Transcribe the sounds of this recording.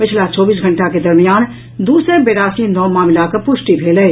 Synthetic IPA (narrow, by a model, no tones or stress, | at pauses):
pɪt͡ʃʰlat͡ʃɔːbiːs̬ɡʱɐ̃ɳʈaked̪ɐɾmijaːn | d̪uːsɾebeːɾaːsinɔːmaːmɪlakəɾpʊʃʈibʱeːlɛ